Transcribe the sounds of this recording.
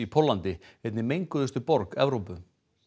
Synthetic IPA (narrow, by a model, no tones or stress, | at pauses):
ipʰɔlant̪ɪɛt̪nɪmejŋkʏðʏst̪ʏpɔɾkɛ̰vɾowpʏ